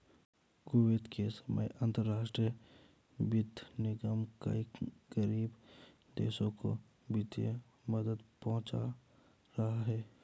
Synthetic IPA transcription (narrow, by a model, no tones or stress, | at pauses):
koːʋed̪kʰesəmə̰jə̃nt̪əɾːaːʃʈɾi | bɪd̪ʱnɪɡəmka̰iɡəɾiːb | d̪ḛːʃõko̰ | bɪt̪jə̰ | məd̪əd̪pɔɦʊ̃t͡ʃa̰ | ɾɐɦaɦɛː